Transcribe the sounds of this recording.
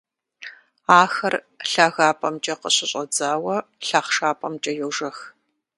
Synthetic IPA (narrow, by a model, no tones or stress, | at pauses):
aːxɐr | ɬaːɣaːpʼɐmt͡ʃʼɐqəɕɪɕʼɐd͡zaːwɐɬaːχʂaːpʼɐmt͡ʃʼɐjɛwʒɐx